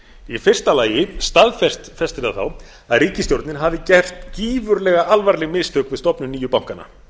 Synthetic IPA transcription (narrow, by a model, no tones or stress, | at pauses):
ifɪr̥st̪alaːjɪst̪aðfɛst̪fɛst̪ɾɪðaθaw | aðriːcɪst̪jowɾt̪nɪnɦavðɪcɛr̥t̪ciːvʏɾlɛɣaʔalvaɾlɪmɪst̪ʰœːkvɪðst̪ɔpnʏniːjʏpawŋ̥kana̰